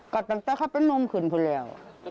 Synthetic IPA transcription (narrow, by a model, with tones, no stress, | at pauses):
kɔ˧˩t̪a˧˩ŋt̪ɛː˧˩kʰa˧˥˩pe˧˥˨nːo˧˨mkʰɯː˨˩npʰuː˧˩lɛː˧˩˨w